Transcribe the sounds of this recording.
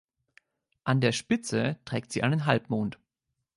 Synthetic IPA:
ʔandeːɐʃpɪt͡sətʁ̥ɛːk̚tz̥iːʔaɪnənɦalpmoːnt

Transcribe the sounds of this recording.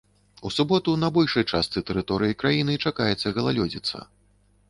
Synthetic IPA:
usubɔt̪unɐbɔlʲʂɐjt͡ʂast̪sɨt̪ɛɾɨt̪ɔɾɨjikɾajinɨt͡ʂakajɛt̪sːɐɣɐlˠalʲɔd͡zʲit̪sːɐ̰

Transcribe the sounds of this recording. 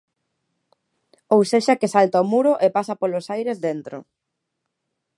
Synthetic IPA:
owseʃakɪsalt̪aomuɾʊʔepasɐpolosajɾezðent̪ɾo̰

